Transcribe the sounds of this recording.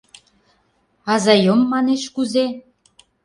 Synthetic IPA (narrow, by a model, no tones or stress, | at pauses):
ɑzɑjomːɑneʃkuze